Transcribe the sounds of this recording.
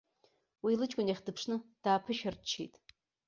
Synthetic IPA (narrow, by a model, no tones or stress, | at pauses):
wilɨt͡ʃʼkʷʼʊneχʲdɨpʰʂnɨd̥aːpʰɨʃɐrt͡ʃʰḭjtʼ